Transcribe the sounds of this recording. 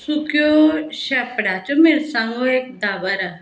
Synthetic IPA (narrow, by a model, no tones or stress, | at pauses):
sukjoɕɛpɽat͡ɕomeɾsãŋɡoek̚d̪aʋəɾa